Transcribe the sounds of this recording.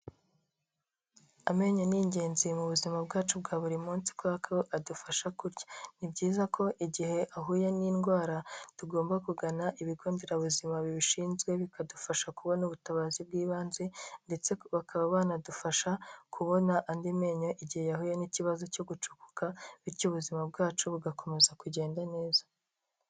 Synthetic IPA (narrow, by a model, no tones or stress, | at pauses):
ame̞ːɲo̞niɲɟe̞ːnzimuβuzimabɡaːt͡ʃubɡaːβuɾimuːnsi̥kwakoʔadufaʃakuɾɟḁnibɟiːzakʰo̞ʔiɟihe̞ʔaɦuːjaninɡwaːɾatuɡo̞ːmbakuɡanaʔiβiɡo̞ːnde̞ɾaβuzimaβiβiʃiːnzɡwe̞βikadufaʃakuβo̞nuβutaβaːzib̚ɡiːβaːnzende̞t͡se̞βakʰaβaβaːnadufaʃakʰuβo̞naʔːndime̞ɲo̞ʔiɟihejaɦuːjeniciβazo̞co̞ɡut͡ʃu̥ku̥kaβiɾcuβuzimab̚ɡaːt͡ʃuβuɡako̞me̞zakuɟe̞ːndane̞ːzḁ